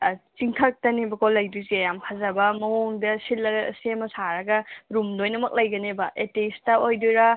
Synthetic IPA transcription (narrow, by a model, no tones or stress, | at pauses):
t͡ʃiŋkʰɐk̚tɐnebɐkʰolɐjdusiɐjamkʰazɐbɐmɐoŋdɐsilːɐɡsemɐsaɾɐɡɐɾumdojnɐmɐk̚lɐjɡɐnebɐʔetestɐojduɾɐ